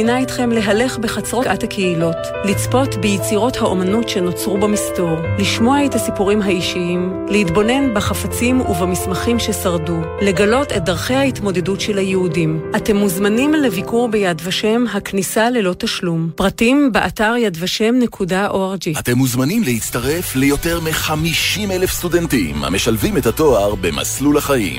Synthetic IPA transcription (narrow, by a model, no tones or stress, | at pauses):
naitχe̞mle̞ɦale̞χbeχat͡sʁo̞ʔathakʰeilo̞t | lit͡spo̞tbejet͡siʁo̞thaʔo̞manutʃe̞no̞t͡sʁubamisto̞ʁliʃmo̞ae̞thasipuʁimɦaiʃiim | lehitbo̞ne̞nbaχafat͡simuvamismaχimʃe̞saʁdu | le̞ɡalo̞te̞t̚daʁχejhaitmo̞de̞dutʃelhajehudimʔate̞mːuzmanimlevikuʁbejadvaʃe̞mɦaknisale̞lo̞taʃlumpʁatimbeʔataʁjadvaʃe̞mne̞kʰudaʔoaʁd͡ʒeate̞mːuzmanimleit͡st̪aʁe̞flejo̞te̞ʁmeχamiʃimelefst̪udentimha̰meʃalvimethato̞aʁbe̞ma̰slulaχaḭm